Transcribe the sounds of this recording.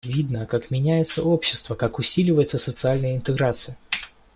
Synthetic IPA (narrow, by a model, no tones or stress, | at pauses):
vʲid̪nəkakmʲɪnʲæjɪt̪səo̞pɕːɪ̥st̪vəkakʊsʲilʲɪvəjɪt̪səsət̪sɨalʲnəjəɪnt̪ɨɡɾat̪sɨjə